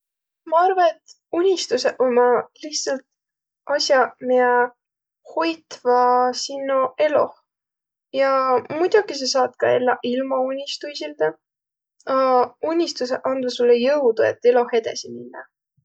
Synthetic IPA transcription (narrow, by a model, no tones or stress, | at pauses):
mɑɑrvɑet̪ | unʲːist̪useʔomɑlihtsɑlt̪̚ | ʔɑsjɑmiɑ | hojt̪vɑsinːoe̞lo̞h | jɑmud̪̥ʲukis̬esɑːt̪̚kɑe̞lːɑʔilmɑunʲːist̪uisild̪̥ɑ | ɑunʲːist̪us̬eʔɑnd̪usulːejɤwd̪ue̞̰t̪ːe̞lo̞he̞d̪̥ɑ̰siminːɑ